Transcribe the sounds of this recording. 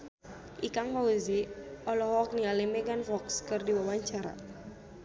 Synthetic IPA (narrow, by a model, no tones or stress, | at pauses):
ʔikaŋkauziɔlɔɦɔk̚nialimɛɡanfɔkskɨrdiwawaɲt͡ʃaɾa̰